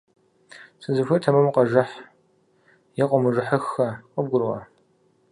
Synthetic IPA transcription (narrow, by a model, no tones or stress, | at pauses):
sʰʼɨzɨxʷɨtʰɐmɨmqɐʒɐħ | jɛqʷʼɔmɨʒɨħəxːɐqʼəb̚ɡʷʊrʁɐ̰